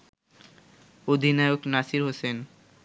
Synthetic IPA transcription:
od̪ʱinaeoknasiɾɦosen

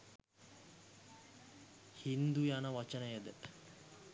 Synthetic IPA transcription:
hind̪ujanəʋat͡ʃənəjəd̪ə

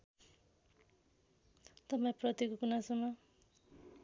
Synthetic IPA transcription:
t̪ʌpaj̃prʌt̪ikokunasʌmʌ

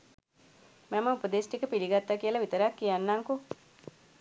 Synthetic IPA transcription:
mæməupəd̪esʈikəpiliɡat̪ːakijəlaʋit̪əɾakːijanːaŋko

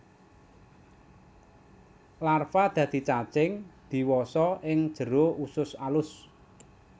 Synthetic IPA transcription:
larfad̪̥ä̤d̪̥i̤t͡ʃat͡ʃɪŋd̪̥i̤wɔsɔʔɪŋd̥ʒ̥ə̤ɾousʊsalʊs

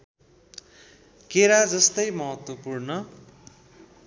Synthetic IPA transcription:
keɾad͡zʌst̪ʌjmʌɦʌt̪wʌpurnʌ

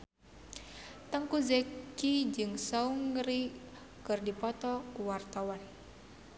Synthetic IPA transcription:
t̪əŋkuzɛkid͡ʒɨŋsauŋɾi | kɨrdipɔt̪ɔkuwart̪awan

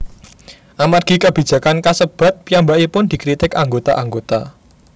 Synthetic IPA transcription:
ʔamarɡ̥i̤kəb̥i̤d̥d͡ʒ̥ä̤kankasəb̥a̤t̪̚piambaʔipʊnd̪̥i̤kɾit̪ɪkaŋɡot̪a̰ʔaŋɡot̪a̰

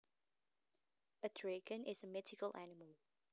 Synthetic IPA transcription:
ədʰɹeɡə̃nʔɪzəmɪtɪkəlʔænɪməlˠ

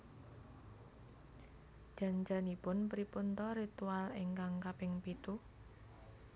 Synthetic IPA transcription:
ʒ̥a̤nd͡ʒanipʊnpɾipunt̪ɔɾit̪ualɪŋkaŋkapɪŋpit̪u

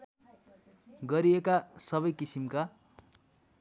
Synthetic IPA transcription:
ɡʌɾiekasʌβʌjkisimka

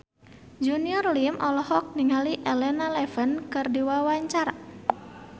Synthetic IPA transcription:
d͡ʒuniɔrlimʔɔlɔhɔk̚niŋaliʔɛlɛnalɛfənkɨrdiwawaɲt͡ʃaɾa

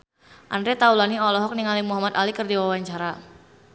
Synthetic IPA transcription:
ʔandɾet̪aulaniɔlɔɦɔk̚niŋalimuɦamat̪alikɨrdiwawaɲt͡ʃaɾa

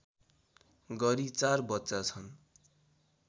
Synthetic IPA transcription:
ɡʌɾit͡sarbʌtːt͡sat͡sʰʌn

